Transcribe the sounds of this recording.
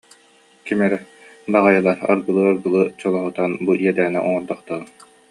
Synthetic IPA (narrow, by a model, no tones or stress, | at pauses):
kimɛɾɛ | baʁajɯlˠaɾa̰ɾɡɯlˠɯaɾɡɯlˠɯt͡ɕɔlˠɔɦut̪anbuʔiɛd̪æːnɛ̰ʔɔŋɔɾd̪aχt̪aʁɯ